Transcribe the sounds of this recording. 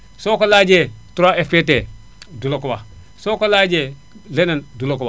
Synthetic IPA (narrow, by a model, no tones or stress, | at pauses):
sokolad͡ʒe | tuɾaefpete | dulokowa | sokolad͡ʒe | lenandulokowa